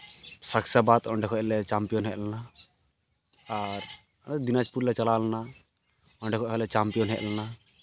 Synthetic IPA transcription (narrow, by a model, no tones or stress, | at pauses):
saksabat̪ɔɳɖɛkʰɔʔlɛt͡ʃampijɔnɦɛʔlana | aɾ | d̪inad͡ʒpuɾlɛt͡ʃalalana | ɔɳɖɛkʰɔʔɔlɛt͡ʃampijɔnɦɛʔlana